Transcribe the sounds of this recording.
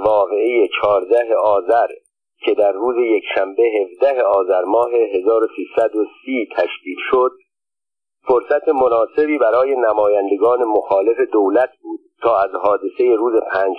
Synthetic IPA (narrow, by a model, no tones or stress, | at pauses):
vɒːɣe̞ejet͡ʃʰɒːɾd̪æɦe̞ɒːzæɾ | cʰe̞d̪æɾːuːze̞je̞kʰʃæmbeɦe̞vd̪æɦe̞ɒːzæɾmɒːɦe̞ɦe̞zɒːɾo̞siːsæd̪osiːt̪ʰæʃciːd̪ʃod̪̥̚ | foɾsæt̪ʰemo̞nɒːse̞biːbæɾɒːje̞næmɒːjænd̪e̞ɡɒːne̞moxɒːle̞fe̞d̪owlæt̪ʰbuːd̪̥̚t̪ʰːɒːæzɦɒːd̪e̞se̞je̞ɾuːze̞pʰæːnd͡ʒ